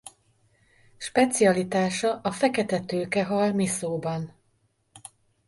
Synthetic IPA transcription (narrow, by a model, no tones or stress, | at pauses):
ʃpɛt̪siɒlit̪aːʃɒʔɒfɛkɛt̪ɛt̪øːkɛɦɒlmisoːbɒn